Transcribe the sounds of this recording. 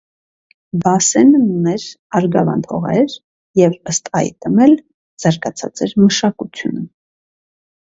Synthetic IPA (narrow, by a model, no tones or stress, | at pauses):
bɑsɛnəunɛɾ | ɑɾɡɑvɑ̰nt̪ʰɔ̰ʁɛ̰ɾ | jɛvəst̪ɑ̰jt̪əmɛl | z̥ɑɾɡɑt͡sʰɑ̰t͡sɛɾməʃɑkut͡sʰjṵnə